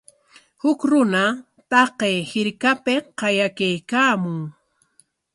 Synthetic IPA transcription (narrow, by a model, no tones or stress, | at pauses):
hʊkɾʊna | t̪ɑqejhɪɾkapɪqɑjakajkaːmʊŋ